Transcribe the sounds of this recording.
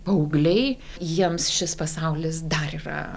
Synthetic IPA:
pɐʊɡlʲɛɪjiɛmsʃʲɪspɐsɐʊlʲɪsd̪ɐɾiːɾɐ̰

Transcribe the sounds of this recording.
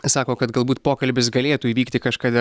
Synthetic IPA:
sɑːkoːkɐt̪ɡɐlˠbuːt̪poːkɐlʲbʲɪsɡɐlʲeːt̪uːiːʋʲiːkt̪ʲɪkɐʃkɑːd̪ʲɪ

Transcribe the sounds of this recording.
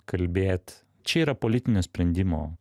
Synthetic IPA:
kɐlʲbʲeːt̪ | t͡ʃʲɛiːɾɐpoːlʲɪt̪ʲɪnʲoːsʲpʲɾʲɛnʲd̪ʲɪmo̰ː

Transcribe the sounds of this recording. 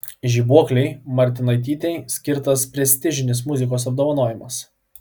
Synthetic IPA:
ʒʲiːbuɔklʲɛɪmɐɾʲt̪ʲɪnɐɪt̪ʲiːt̪ʲɛɪsʲkʲɪɾt̪ɐspʲɾʲɛsʲt̪ʲɪʒʲɪnʲɪs̬mʊzʲɪkoːsɐb̚d̪oːʋɐnoːjɪmɐs

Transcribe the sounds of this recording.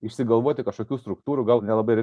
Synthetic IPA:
ɪʃʲsʲɪɡɐlˠʋoːt̪ʲɪkɐʃkokʲust̪ɾʊk̚t̪uːɾʊɡɑlˠnʲɛlˠɐbɐɾʲ

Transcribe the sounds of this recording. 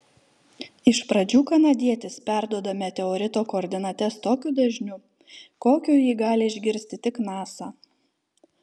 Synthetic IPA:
ɪʃpɾɐd͡ʒʲuːkɐnɐd̪ʲiɛt̪ʲɪspʲæˑɾd̪uɔd̪ɐmʲɛt̪ʲɛɔɾʲɪt̪oːkoːɾʲd̪ʲɪnɐt̪ʲɛst̪oːkʲud̪ɐʒʲnʲʊ | koːkʲuːjiːɡɑːlʲɪɪʒʲɡʲɪɾʲsʲt̪ʲɪt̪ʲɪknɑːsɑː

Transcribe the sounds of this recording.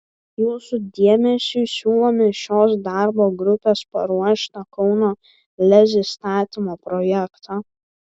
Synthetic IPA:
juːsʊd̪ʲiɛmʲɛsʲuːsʲuːlˠoːmʲɪʃʲoːsd̪ɑˑɾboːɡɾʊpʲeːspɐ̰ɾuɔʃʲɪnokɔʊnoː | lʲɛzʲɪst̪ɑːt̪ʲimoːpɾɔjɛkt̪o

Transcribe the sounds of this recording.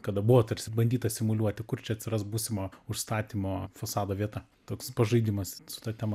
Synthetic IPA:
kɐd̪ɐbʊʋoːt̪ɐɾʲsʲbɐnʲd̪ʲiːt̪ɐsʲɪmʊlʲuɔt̪ʲɪkʊrt͡ʃʲɛɐt̪ʲsʲɪɾɐsbuːsʲɪmoːʊʃst̪ɑːt̪ʲimoːfɐsɑːd̪oːʋʲiɛt̪ɐ | t̪oːkspɐʒɐɪd̪ʲimɐssʊ̥t̪ɑːt̪ʲɛmɐ

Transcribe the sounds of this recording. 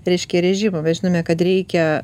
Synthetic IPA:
ɾʲɛɪʃʲkʲɛɾʲɛʒʲimomʲɛtʒʲɪnoːmʲɛkɐt̪ɾʲɛɪkʲɛ

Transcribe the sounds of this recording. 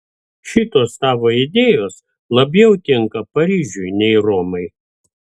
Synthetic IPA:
ʃʲɪt̪oːst̪ɑːʋoːɪd̪ʲeːjoːs | lˠɐbʲjɛʊt̪ʲɪŋkɐpɐɾʲiːʒʲʊjnʲɛɪɾoːmɐɪ

